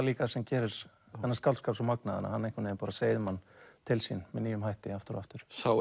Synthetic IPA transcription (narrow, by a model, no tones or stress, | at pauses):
liːkasɛmcɛːɾɪɾ̥ | ɛnːaskaw̪lskapsɔmaknaðɪ̰na̰hanːejŋkvʏnɛɪpaːɾaseːjðʏmanːt̪ʰɪlsinmɛðniːjʏmɦajht̪ɪaft̪ɪɾɔ̰aft̪ʏɾ̥saw